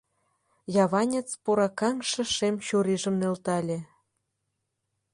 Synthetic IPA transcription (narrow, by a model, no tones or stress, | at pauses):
jɑβɑnʲet͡spoɾɑkɑŋʃɤ̆ʃemt͡ɕoɾiʒə̆mnĕlt̪ɑlʲe